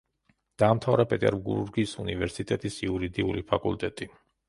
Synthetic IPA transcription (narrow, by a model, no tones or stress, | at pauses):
d̪̥aːmt̪ʰavɾapʼɛt̪ʼɛɾɡṵɾuɾɡiːsunivɛɾsit̪ʼɛt̪ʼisiuɾid̪iulipʰakʼṵlˠt̪ʼɛt̪ʼi